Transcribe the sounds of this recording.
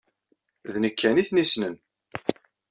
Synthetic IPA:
ðnəkʰːæniθnisnən

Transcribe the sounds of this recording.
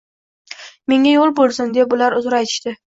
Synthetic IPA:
me̞ŋajolˠbolˠsɪnd̪epʊlaɾʊzɾajt̪ʰɪ̥ʃt̪ɪ

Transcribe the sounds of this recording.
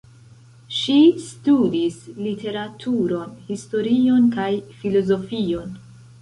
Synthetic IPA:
ʃistudislitʰe̞ɾatʰuɾo̞nhisto̞ɾio̞nkajfilo̞zo̞fio̞n

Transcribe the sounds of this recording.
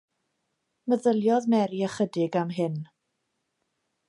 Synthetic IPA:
məðəlˠjɔðmɛɾiəχədɪɡamɦɪn

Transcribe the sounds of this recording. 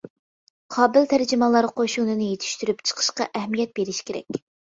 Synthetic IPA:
qʰɑːbɪlt̪ʰæɾd͡ʒɪmɑlˠɑɾqʰoʃunɨnɨjet̪ʰy̥ʃt̪yɾypt͡ʃʰə̥qʰə̥ʃqɑʔɛhmijɛt̪̚beɾɪʃkʲʰeɾɛ̰kʲ

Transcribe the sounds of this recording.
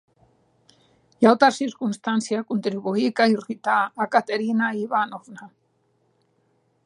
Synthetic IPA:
jawt̪asiɾkunst̪ansiakunt̪ɾiβuikajirit̪aːkat̪eɾinaiβanovna

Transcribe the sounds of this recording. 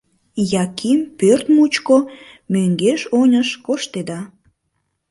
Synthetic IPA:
jɑkimpørt̪mut͡ɕko | møŋɡeʃonʲəʃkoʃt̪ed̪ɑ

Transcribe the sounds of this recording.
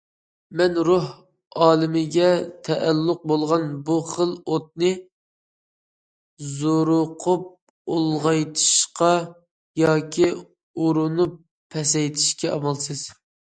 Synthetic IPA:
mɛnɾuɦ | ɑːlˠɪmɪɡʲɛt̪ʰɛʔɛlːʊq̚bolˠʁɑnbuχəlˠot̪̚nɨ | zoɾʊqʰʊp̚ | olˠʁɑjt̪ʰɨ̥ʃqɑ | jɑːkʲʰi | uɾʊnupʰː | ɛsɛjt̪ʰɪi̥ʃkʲɛɑmɑlˠsɨz̥

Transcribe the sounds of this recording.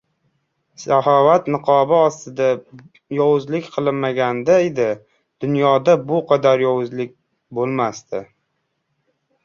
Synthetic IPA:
sahɒvat̪nɨqʰɒbɪɒst̪ɪd̪a | jɒwʊzlɪkʲqʰɨlˠɪnmaɡʲand̪aed̪ɪ | d̪̥ʊnjɒd̪abʊqʰɑd̪aɾjɒwʊzlɪk̚ʲ | bolˠmast̪ʰɪ

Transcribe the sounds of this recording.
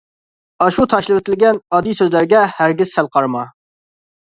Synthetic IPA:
ɑʃut̪ʰɑʃlɪwɪt̪ʰɪlɡʲɛnɑd̪ijsøzlæɾɡʲɛhæɾɡʲɪz̥sælˠqʰɑɾmɑ

